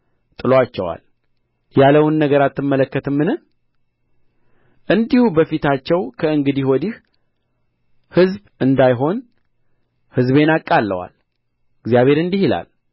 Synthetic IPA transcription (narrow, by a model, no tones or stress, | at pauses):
t̪ʼɨloat͡ʃːɛ̰wa̰l | jaləwɨnːəɡəɾat̪ːɨmːələkːət̪ʰɨmːɨnɨh | ʔɨnd̪ihubəfit̪ʰat͡ʃːɛwkʰəɨŋɡɨd̪ihɔd̪ih | hɨzbɨnd̪ajɦo̞n | hɨzβe̞nakʼːalːə̰wa̰l | ɨɡzjaβe̞ɾɨnd̪ihila̰l